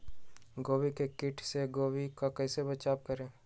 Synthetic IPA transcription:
ɡoːwikekɪʈʰseɡoːwikakɛːsebɐt͡ʃaːbkɐɾẽː

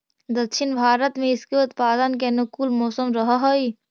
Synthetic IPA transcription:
d̪ɐkʃɪnbʱaːɾət̪mẽɪskeʊt̪paːd̪ənk̬enʊkuːlmɔːsəmɾəɦaɦoiː

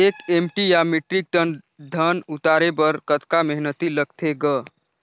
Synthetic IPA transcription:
ekemʈijamiʈɾik̚ʈ̪ən | d̪ʱənut̪aɾebəɾkət̪kameɦnət̪iləɡt̪ʰeɡə

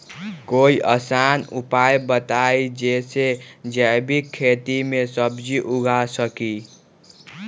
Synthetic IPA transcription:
koiʔəsanupajbət̪ajd͡ʒesed͡ʒəbikʰːet̪imesəbd͡ʒiʔuɡʱasəki

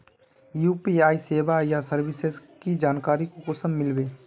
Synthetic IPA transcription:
jupiaːiseːbajasəɾbɪsezkid͡ʒaːnkaːɾikokʊsəmːɪlbeː

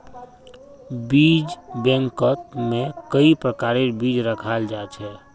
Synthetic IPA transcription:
biːd͡ʒbɛ̃ŋkət̪mẽkəipɾəkaːɾebiːd͡ʒɾəkʰald͡ʒaːt͡ʃʰɛː

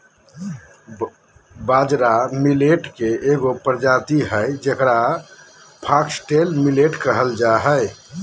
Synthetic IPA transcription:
bad͡ʒɾamileʈkeeɡopɾd͡ʒat̪iɦəjd͡ʒekɾa | pʰaksʈelmileʈkəɦəld͡ʒaɦəj

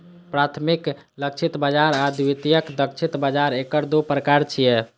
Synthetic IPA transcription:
pɾat̪ʰmik | lək̚t͡ʃʰit̪bad͡ʒaɾad̪wit̪ijəkd̪ək̚t͡ʃʰit̪bad͡ʒaɾekəɾd̪opɾəkaɾt͡ʃʰijɛ

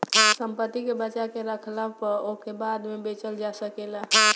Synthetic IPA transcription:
səmpət̪ːikebət͡ʃakeɾəkʰlapəɾokebad̪mebet͡ʃəld͡ʒasəkela

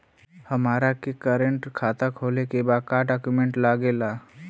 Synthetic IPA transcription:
həmaːɾakekəɾəɳʈkʰaːt̪akʰoːlekebad̪kaːɖakjumẽɳʈlaːɡeːla

